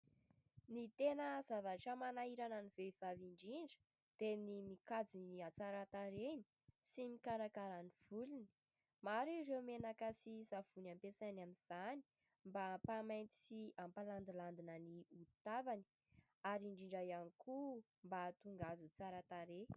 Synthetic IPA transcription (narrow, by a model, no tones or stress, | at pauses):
nit̪enəzavaʈ͡ʂəmanaiɾanənivev̥aviɳɖ͡ʐiɳɖ͡ʐə̥ | d̪̥enimikad͡ziniat͡saɾat̪aɾeni̥ | simikaɾakaɾaniv̥uluni̥ | maɾiɾewmenakəsizav̥unampesanaminz̥ani̥ | mbapamajnt̪i̥siampaland̪iland̪inəniut̪avani̥ | aɾiɳɖ͡ʐiɳɖ͡ʐajanikʰu | mbat̪uŋɡazut͡saɾat̪aɾe